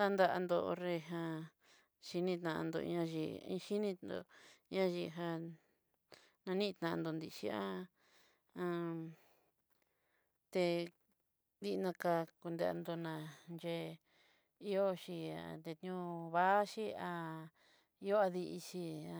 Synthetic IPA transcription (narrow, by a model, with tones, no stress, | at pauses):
t̪a˧nd̪a˧ʔa˧nd̪o˧o˧re˧˨ɦã˧ | ʃi˧nĩ˧t̪ã˧ʔa̰˧nd̪o̰˧ḭ˧ɲã˧ʒḭ˧ĩ˦˧ʃi˦nĩ˧nd̪o̰˧˦ã˦˧ʒi˧ɦa˧ | nã˧nĩ˦˧t̪ã˧ʔã˧nd̪o˧nd̪i˧ʃḭ˧a˦ | ã˧ | t̪e˧ | d̪i˦˧nã˧ka˧ku˧nd̪e˧a̰˧nd̪o˧nã˧nd͡ʒe˧ | i˦o˦ʃi˧a˨t̪e˧t̪ɲũ˧βa˦ʃi˦a˧ | i˧jo˦a˧ði˧ʔi˧ʃi˧a˧